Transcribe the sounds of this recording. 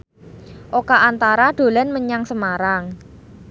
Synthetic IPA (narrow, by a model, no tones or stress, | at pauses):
ʔokaʔant̪aɾaɖ̪̥o̤lanməɲaŋsəmaɾaŋ